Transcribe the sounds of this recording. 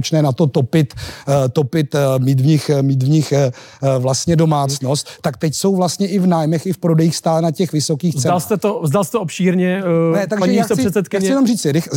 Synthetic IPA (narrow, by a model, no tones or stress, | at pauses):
t͡ʃnɛːnat̪o̞t̪o̞pɪt̪t̪o̞pɪt̪miːt̪vɲɪxmiːt̪vɲɪx | vlast̪ɲɛdo̞maːt͡sno̞st̪ːakt̪ɛcso̞wvlast̪ɲɛʔɪvnaːjmɛxɪfpɾo̞dɛjiːxst̪aːlɛnacɛxvɪso̞kiːxzt͡sɛalst̪ɛt̪ovzdalsɛt̪oopʃiːɾɲɛnɛt̪aɡpaɲɛjiaiːosɪsɛsɛt̪kɪaɲɛɪjɛnomriːt͡sɪɾɪx